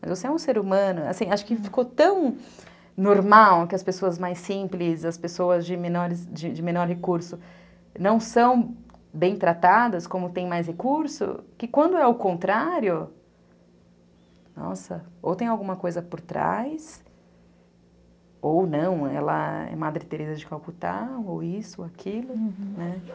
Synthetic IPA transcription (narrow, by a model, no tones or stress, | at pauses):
mɐzvosɪɛũseɾumɐ̃nʊa̰sĩaʃʊ̥kɪfi̥kot̪ɐ̃w̃ | noɾmawkɪɐspesoɐzmajsĩplɪzɐspesoɐzd͡ʒɪmẽnɔɾɪsd͡ʒɪd͡ʒɪmẽnɔɾɦekuɾsʊ | nɐ̃w̃sɐ̃w̃bẽj̃t̪ɾat̪ad̪ɐskõmʊt̪ẽj̃majs̬hekuɾsʊ̰kɪkwɐ̃nd̪ʊɛʊkõnt̪ɾaɾjʊ | nɔ̰sɐo̰wt̪ẽj̃awɡũmɐkojzɐpoɾt̪ɾa̰js | ownɐ̃w̃ɛ̰lɐ̰ɛ̰mad̪ɾɪt̪eɾezɐd͡ʒɪkawkut̪a̰owisʊakʰilʊnɛ